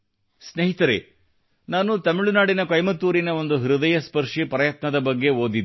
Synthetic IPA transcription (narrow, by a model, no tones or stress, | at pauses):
sneɦit̪ɐɾḛː | naːnut̪ɐmiɭunaːɽinɐkɐjmɐt̪ːuːɾinɐo̞nd̪uɦiɾud̪ɐjɐspɐɾʂipɐɾɐjɐt̪nɐd̪ɐbɐɡːe̞oːd̪id̪